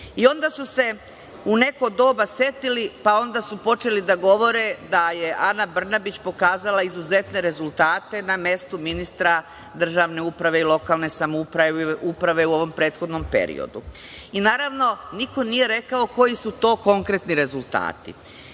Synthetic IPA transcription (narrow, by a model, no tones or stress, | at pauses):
io̞nd̪asuse̞ | une̞ko̞d̪o̞ːbasje̞t̪ilipao̞nd̪asupo̞t͡ʃe̞lid̪aɡo̞ʋo̞ɾed̪aje̞ʔanabr̩nabit͡ɕpo̞kaːzalaizuze̞t̪ne̞ɾe̞zulˠt̪aːt̪e̞namje̞st̪uminist̪ɾa | d̪r̩ʒaːʋne̞upɾaʋe̞ilˠo̞kaːlˠne̞samupɾaupɾaʋe̞uo̞ʋo̞mpɾe̞ːt̪xo̞d̪no̞mpe̞̰ɾḭo̰d̪ṵ | inaːɾaʋno̞niko̞nije̞ɾe̞kao̞ko̞jisut̪o̞ːko̞ŋkɾe̞t̪niɾe̞zult̪a̰ːt̪ḭ